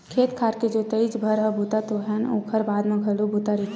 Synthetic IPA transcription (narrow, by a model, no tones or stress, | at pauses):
kʰeːt̪kʰaɾked͡ʒot̪əid͡ʒbʱəɾɦəbut̪at̪oɦɛnõ̰kʰəɾbaːd̪mẽɡʱəlubʱut̪aɾikʰ